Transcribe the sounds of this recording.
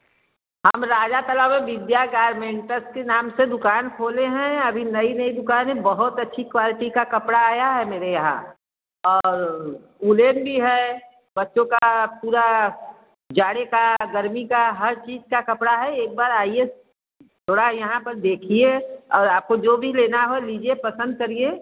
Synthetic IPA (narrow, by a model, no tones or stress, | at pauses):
hɐmɾaːd͡ʒat̪əlamẽʋɪd̪jaɡaːɾmẽːɳʈəskenaːmsed̪ʊkaːnkʰoːleɦɛ̃ɐbʱinɐinɐid̪ʊkaːnẽbəɦʊt̪ɐtːʃʰikwaːlɪʈikakɐpɽaaːjaɦɛmeːɾejɐɦã̰ | ɔːɾ | uleːnbʱiɦɛ | bɐtːʃõkapuːɾa | d͡ʒaːɽekaɡəɾmikaɦɐɾt͡ʃiːd͡ʒkakɐpɽaɦɛeːk̚baːɾaːie | t̪ʰoːɽajɐɦãpɐɾd̪eːkʰieɔːɾaːp̚kod͡ʒoːbʱileːnaɦoliːd͡ʒiepɐsə̃nd̪̚kɐɾie